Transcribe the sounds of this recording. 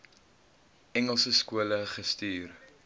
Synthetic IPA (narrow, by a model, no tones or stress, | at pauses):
ɛŋəlˠsəskuələχəstyːr